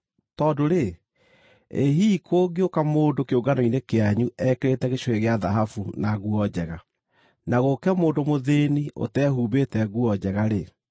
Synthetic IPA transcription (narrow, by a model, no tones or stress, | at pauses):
tɔːdoɾe | eɦikʰoːɡeokamoːndokeoɡanoinekeaɲuɛkeɾetɛɣeʃoeɣeaðaɦafunaɣuɔd͡ʑɛɣa | naɣokɛmoːndomoðeniʔo̰tɛhuːbetɛɣuɔd͡ʑɛɣaɾe